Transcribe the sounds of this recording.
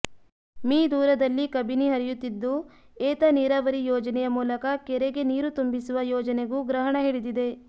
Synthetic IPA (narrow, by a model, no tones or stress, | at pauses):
miːd̪uːɾɐd̪ɐlːikɐbiniɦɐɾijut̪ːid̪ːu | ɛːt̪ɐniɾaːʋɐɾijɔːd͡ʒɐnɛjɐmuːlɐkɐkɛɾeɡe̞niːɾut̪umbisuʋɐjɔːd͡ʒɐneɡuɡɾɐɦɐɳɐɦiɽid̪id̪e̞